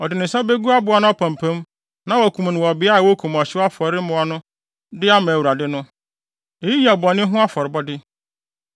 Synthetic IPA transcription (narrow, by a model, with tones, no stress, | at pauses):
ɔ˨dɪ˨nʊ̃˨sa˦be˦ɡu˦a˦bʊ˨˦a˨˦nʊ̃˦ɔ˦pʰã˨m˨pʰã˦m | nã˦wɔ˨kʰũ˨m˨nɪ̃˨wɔ˨bɪ˨˦a˦˨wo˦kʰũ˨m˨ɔ˨ɕɪ˦wa˦fɔ˨ɾɪ˦mʊ̃˨ɔ˨nʊ̃˦ | dɪ˦a˦mã˨wu˨ɾa˨dɪ˦nʊ̃˦ | e˨ji˦ja˨bɔ˨nɪ̃˦ɦʊ̃˦a˦fɔ˨ɾɪ˨bɔ˦dɪ˦